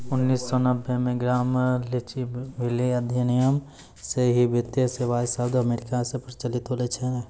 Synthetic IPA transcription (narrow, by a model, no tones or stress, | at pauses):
ʊnːiːsːɔnɐbːemẽɡɾaːmlɪt͡ʃibɪliɐd̪ʱjənijəm | seɦibɪt̪jəseʋaːjsaʊd̪ʱɐmeːɾɪkasepəɾt͡ʃɐlɪt̪ɦoːlet͡ʃʰe